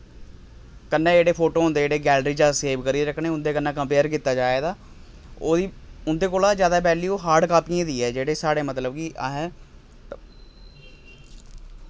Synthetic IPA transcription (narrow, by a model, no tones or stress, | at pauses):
kənːãːd͡ʒeːɽeːpʰoːʈoːɦnd̪eːɽeːɡɛːlɾiːd͡ʒaːseːʋkəɾiːɾəkʰɳeːʊnd̪eːkənːãːkəmpeːəɾkiːt̪aːd͡ʒaːeːd̪aː | oːd̪iːʊnd̪eːkoːlaːd͡ʒjaːd̪aːp̬ɛːliːoːɦaːɾɖkaːpiãːd̪iːɛːd͡ʒeːɽeːsaːɽeːmət̪ləbkiːʔaɦɛ